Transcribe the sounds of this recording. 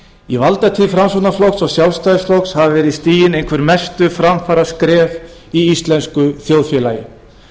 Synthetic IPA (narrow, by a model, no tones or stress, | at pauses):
ivalt̪at̪ʰifɾamsonaflowksɔɣsjaw̪lst̪ajɪsflowkshavɪvɛɾɪist̪iːjɪnejŋkʰvɛɾmɛst̪ʏfɾamfaːɾaskɾɛːv | iist̪lɛnskʏθjoːwðfjɛlaːjɪ̰